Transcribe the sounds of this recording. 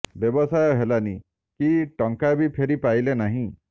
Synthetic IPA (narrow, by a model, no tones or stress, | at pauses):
bjɔbɔsajɔɦelani | kiʈɔŋkabipʰeɾipajlenaɦĩ